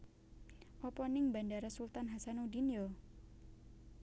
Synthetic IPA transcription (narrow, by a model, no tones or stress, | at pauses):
ʔɔpɔnɪŋbandaɾasult̪anɦasanudinjɔ